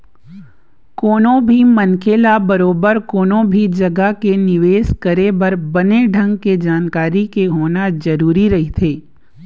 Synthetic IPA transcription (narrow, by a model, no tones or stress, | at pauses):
koːnõbʱimɐnkeːlabɐɾoːbəɾkoːnõbʱid͡ʒɐɡakenɪʋeːskɐɾebɐɾbɐneɖʱɐ̃ŋɡked͡ʒaːnkaːɾikeɦoːnad͡ʒɐɾuːɾiɾɐɦit̪ʰeː